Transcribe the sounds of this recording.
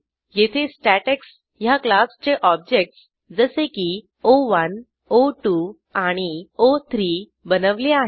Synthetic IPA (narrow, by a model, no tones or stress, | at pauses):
jet̪ʰesʈæʈeks | jaklast͡ɕeʔɔb̚d͡ʑek̚ʈs | d͡zəseki | oʋən | oʈu | aɽ̃iot̪ʰɾi | bənəʋleaɦe